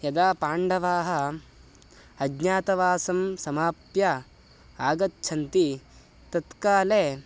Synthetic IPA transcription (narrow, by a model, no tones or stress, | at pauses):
jɐd̪aːpaːɳɖɐʋaːɦɐ | ɐɡɲaːt̪ɐʋaːsɐmsɐmaːpjɐ | aːɡɐtːt͡ʃʰɐnt̪i | t̪ɐt̪kaːleː